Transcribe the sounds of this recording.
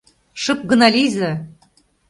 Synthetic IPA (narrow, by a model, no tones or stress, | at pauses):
ʃɤp̚ɡɤ̆nɑlʲizɤ̆